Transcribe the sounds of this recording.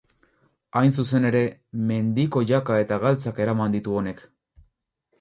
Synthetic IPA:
ajns̬use̞ne̞ɾe̞me̞nd̪iko̞ʝakae̞t̪aɣalt͡sake̞ɾamand̪it̪uo̞ne̞k

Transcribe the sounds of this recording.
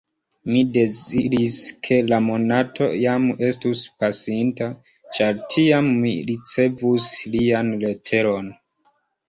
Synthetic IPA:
mide̞ziɾiskʰe̞lamo̞natʰo̞̰jame̞stuspasinta | t͡ʃaɾtʰiamːḭɾit͡se̞vuslianle̞tʰe̞ɾo̞n

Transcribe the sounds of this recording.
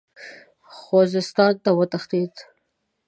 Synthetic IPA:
xozɪst̪ɑnt̪awət̪axt̪it̪

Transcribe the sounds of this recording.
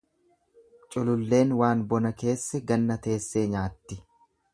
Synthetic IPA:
t͡ʃʼʊlʊlːe̞ːnwaːnbɔnɐke̞ːsːɛɡɐnːɐt̪e̞ːsːe̞ːɲaːt̪ːɪ

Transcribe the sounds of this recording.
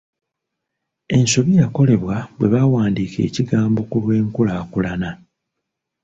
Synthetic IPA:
e̞nso̞βijako̞le̞βwabwe̞βawaːndiːkʰe̞̰ːciɡaːmbo̞kulwe̞ːŋkulaːkulana

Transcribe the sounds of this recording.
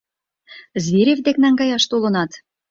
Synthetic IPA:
zβiɾʲevd̪eknɑŋɡɑjɑʃt̪ulɤ̆nɑt̪

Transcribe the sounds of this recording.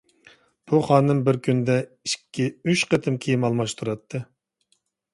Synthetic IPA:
b̥uχɑːnɨmbɪɾkʲynd̪ɛ | iʃkʲʰːiyʃqət̪ʰɨmkʲʰejimɑlˠmɑʃt̪ʰuɾɑt̪ʰːɨ

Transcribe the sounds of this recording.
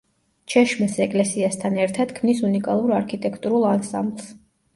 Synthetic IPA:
t͡ʃʰɛʃmɛsɛkʼlɛsiast̪ʰanɛɾt̪ʰad̪̥kʰmnisunikʼalˠuɾaɾkʰit̪ʼɛkʰt̪ʼuɾulˠansa̰mblˠs

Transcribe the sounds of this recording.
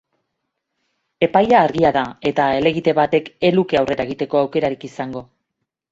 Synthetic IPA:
e̞pajaːɾɣiaðae̞t̪ae̞le̞ɣit̪e̞βat̪e̞ke̞luke̞awre̞ɾaeɣit̪e̞ko̞awke̞ɾaɾikisaŋɡo̞

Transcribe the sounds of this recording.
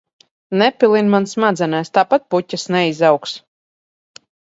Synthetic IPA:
nɛpʲilˠinmansmad̪zɛnast̪apat̪̚pucʲːasnɛizawks

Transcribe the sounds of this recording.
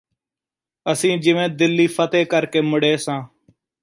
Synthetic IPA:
əsĩːd͡ʒɪʋẽːd̪ɪlːiːfʰət̪eːkəɾkeːmʊɽeːsãː

